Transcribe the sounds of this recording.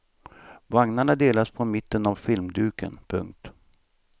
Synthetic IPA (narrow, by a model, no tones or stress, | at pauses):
vaŋnaɳad̪eːlaspʰɔmɪt̪ːənavfɪlmd̪ʉ̟ːkə̰npʰɵ̰ŋk̚t̪